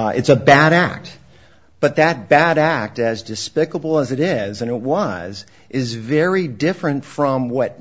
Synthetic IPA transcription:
ʔɨ̰tsɨbæɾæ̰k̚t̚ | b̥ʌt̪̚ðɨt̚b̥æɾæk̚tɨzdɨspɪkəbl̩ˠəzɨɾɪzɨ̃ñɨt̚wʌz | ʔɪzvɛɹidɪfɹɨ̃ntfɹʌ̃mwʌt̚

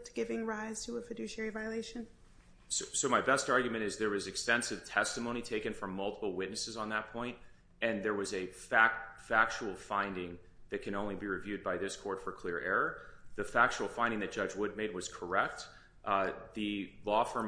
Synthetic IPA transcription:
tʰɡ̥ɪvɪ̃ŋɹaɪz̥tʰəəfɨdʉʃɛɹivaɪɨleɪʃɨ̃n | sʊsoʊmaɪbɛstɑɹɡjmɨ̃ɾ̃ɨzðə˞wʌzɨkstɛ̃nsɨv̥tʰɛstɨmõʊ̃ñitʰeɪkɨ̃nfɹʌ̃mːʌlˠtə̥pl̩ˠwɪtⁿnɨsɨzn̩ðət̚pʰɔ̃ɪ̃nt̚ | ɨ̃nðə˞wʌzɨfæk̚fæk̚t͡ʃul̩ˠfãɪ̃ndɪ̃ŋ | ðɨt̚kʰɨ̃ñõʊ̃nlibiɹɨvjʉd̚baɪðɪskʰɔɹtfə˞kʰl̥ɪɹʔɛɹə˞ðɨfæk̚t͡ʃul̩ˠfãɪ̃ndɪ̃ŋðɨt̚d̥ʒ̥ʌd͡ʒwʊd̚meɪd̚wʌz̥kʰə˞ɛk̚t̚ | ðɨlɔfə˞

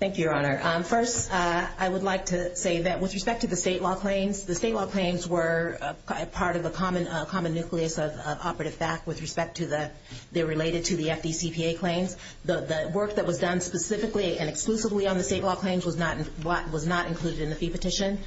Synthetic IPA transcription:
θæ̃ŋkjʉə˞ɑnə˞ʔʌfɜ˞staɪwədˡlaɪk̚tʰɨseɪðɨt̚wɨðɹɨspɛk̚tʰɨðɨsteɪʔˡlɔkʰl̥ẽɪ̃nzðɨsteɪtˡlɔkʰl̥ẽɪ̃nzwə˞ | pʰɑɹɾʌvðəkʰɑmɨ̃nʌkʰɑmɨ̃nːʉkʰliɨsʌvʌvɑ̰pə˞ɨɾɨv̥θæk̚t̚wɨðɹɨspɛk̚tʰɨðɨ | ðɨɹɨleɪɾɨd̚tʰɨðiɛfd̥isipʰieɪkʰl̥ẽɪ̃nz | ðəðɨwɜ˞k̚ðɨt̚wʌzdʌ̃nspɨsɪfɨkliɨ̃nɨksklʉsəvliə̃nðɨsteɪtˡlɔkʰl̥ẽɪ̃nzwʌznəɾ̃wʌɾ̚wʌznəɾɨ̃nkʰl̥ʉɾɨɾɨ̃nðɨfipɨtʰɪʃɨ̃n

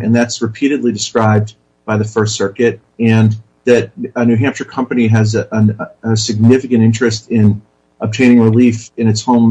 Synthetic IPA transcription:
ɨ̃nðætsɹɨpʰiɾɨdˡlidɨskɹaɪb̚ | b̥aɪðɨfɜ˞stsɜ˞kɨɾ̚ | ɨ̃n | ðɨt̚ɨnʉɦæ̃mpʃə˞kʰʌ̃mpɨniɨzəɨsɨɡ̚nɪfɨkɨ̃ñtɪ̃nt͡ʃɹ̥ɨstɪ̃n | əb̚tʰẽɪ̃ñɪ̃ŋɹɪlifɨ̃nɨtshõʊ̃m

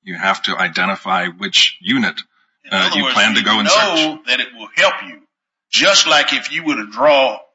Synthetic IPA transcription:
jɨhæftʰɨʔa̰ɪdɛ̃ɾ̃ɨfaɪwɪt͡ʃjʉnɨt̚ | jɨ˞l̥æ̃ntɨɡoʊə̃nsoðɨɾɨt̚wɪlˠhɛlˠpʰjʉ̥ | d͡ʒʌstˡlaɪkɨfjɨwəddɹɔ

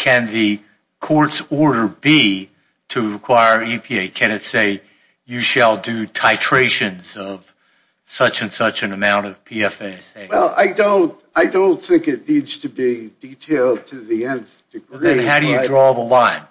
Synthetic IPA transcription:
kʰɨ̃nðɨ | kʰɔɹtsɔɹɾə˞bi | ɾɨɹɨkʰw̥aɪə˞ipʰieɪkʰɨ̃nɨtseɪ | jɨʃəlˠdɨtʰaɪtʰɹ̥eɪʃɨ̃nzʌv̥ | sʌt͡ʃɨ̃nsʌt͡ʃɨ̃nɨmãʊ̃ñtʌv̥pʰiɛfeɪseɪwɛlˠa̰ɪdõʊ̃nt | aɪdõʊ̃nθɪ̃ŋkɨtⁿnidz̥tʰɨbiditʰeɪlˠd̚tʰɨðiɛ̃nzd̥ɨɡɹðɨ̃nɦaʊɾɨjɨdɹɔðəlãɪ̃n

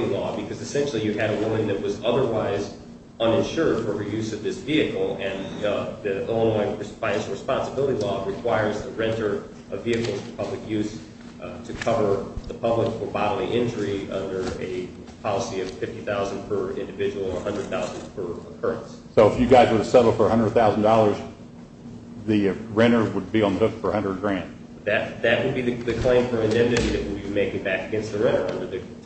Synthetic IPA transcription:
ɪ̃ŋlɔbɨkʰʌzɨsɛ̃nʃl̩ˠijɨɨɾəwʊ̃mɨ̃nðɨt̚wʌzʌðə˞waɪz | ʌ̃nɨ̃nʃʊɹd̥fə˞əjʉzʌvðɪsviɨkl̩ˠɨ̃nðɨõnlãɪ̃ŋɹɨsfãɪɨ̃nʃl̩ˠɹɨspɑ̃nsəbɪlˠəɾilɔɹɨkʰw̥aɪə˞z̥tʰəɹɛ̃ntə˞ | ʔʌviɨkl̩ˠfʰəpʰʌblɨkjʉz̥ | tʰɨkʰʌvə˞ðəpʰʌbləkfə˞bɑɾl̩ˠiʔɪ̃nd͡ʒə˞iʌ̰̃ndə˞ɨ | pʰɑlˠəsiʌv̥fɪftiθaʊznpʰə˞ɪ̰̃ndɨvɪd͡ʒəwl̩ˠə˞hʌ̃ndɹɨd̪̚θaʊz̃n̩pʰə˞əkʰɜ˞ɨ̰̃ntssoʊəfjɨɡaɪzwə˞ðɨsɛɾl̩ˠfə˞əhʌ̃ndɹɨd̪̚θaʊzn̩dɔlˠə˞z | ðɨɹɛ̃nə˞wəd̚biə̃nðəhʊtfə˞əhʌ̃ndɹə˞d̚ɡɹæ̃nd̥ | ðɨt̪̚ðɨʔ̚wɨd̚biðɨðɨkʰl̥ẽɪ̃ɱfə˞ɨ̃ndɛ̃mnɨɾiðɨʔ̚wəbimeɪkɪ̃ŋbækɨɡɛ̃nst̪̚ðɨɹɛ̃nə˞ʌ̃ndə˞ðɨ

